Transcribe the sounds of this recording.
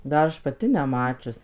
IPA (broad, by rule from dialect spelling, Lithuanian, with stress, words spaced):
dɐr ˈɐʃ pɐˈtʲɪ nʲɛˈmɑːt͡ʃʲʊs